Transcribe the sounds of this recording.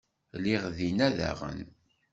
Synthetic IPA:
liʁðinæðæ̰ʁə̰n

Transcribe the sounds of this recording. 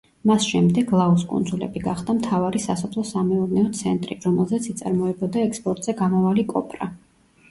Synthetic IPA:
masʃɛmd̪ɛɡlˠauskʼṵnd̪zulɛ̰biɡaχd̪amt̪ʰavaɾisasɔpʰlˠɔsamɛɔɾnɛɔt̪sʰɛnt̪ʼɾḭɾɔmɛlˠzɛt̪sʰit̪sʼa̰ɾmɔɛbɔd̪aɛkspʼɔɾt̪ʼz̥ɛɡamɔvalikʼɔpʼɾa

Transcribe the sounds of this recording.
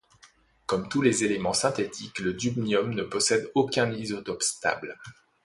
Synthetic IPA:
kɔmt̪ulezelemɑ̃sɛ̃t̪et̪ʰikləd̪ybnjɔmnəpɔsɛd̪okʲɛ̃nizɔt̪ɔpst̪a̰bl

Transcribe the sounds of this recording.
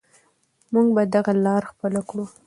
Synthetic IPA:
muŋɡbad̪aɣalɑɾxpəlakɽu

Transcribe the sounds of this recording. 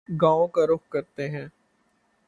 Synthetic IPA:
ɡãːõkaɾʊxkɐɾt̪eɦɛ̃ː

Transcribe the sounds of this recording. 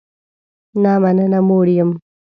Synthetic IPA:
namanənamoɽijəm

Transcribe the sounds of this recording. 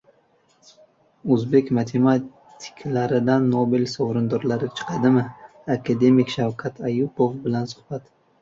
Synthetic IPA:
ɵzbe̞kʲmat̪ʰe̞ma | t̪ʰi̥kʲʰlaɾɪd̪anːobelsowɾɪnd̪ɒɾlaɾɪt͡ʃʰɨ̥qʰɑd̪ɪmɪ | akʰad̪e̞mikʲʃawkʰat̪ʰajupovbɪlansʊ̥χb̥at̪

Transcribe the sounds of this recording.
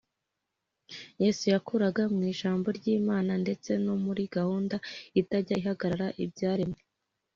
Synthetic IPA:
je̞ːsujakuɾaɡamŋiːʒaːmbo̞ɾɟiːmaːnande̞t͡se̞no̞muɾiɡahuːndaitaɟaihaɡaɾaɾaʔibɟaːɾimŋe

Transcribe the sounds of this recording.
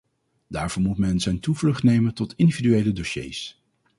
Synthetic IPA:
daːɹvɔːɹmutmɛnzɛjntuvlɵχtnejməntɔtɪndividyejlədoʃḛjs

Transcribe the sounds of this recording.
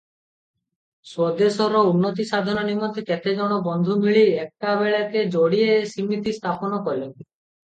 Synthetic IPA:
swɔd̪esɔɾɔunːɔt̪̬isad̪ʱɔɔnimɔt̪eket̪ed͡ʒɔɽ̃ɔbɔnd̪ʱumiɭiek̚ʈabeɭaked͡ʒoɽieːsimːit̪ist̪ʰapɔnɔkɔɾilɔnt̪i̥

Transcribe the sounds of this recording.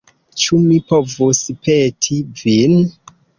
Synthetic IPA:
t͡ʃumipovuspʰetʰivin

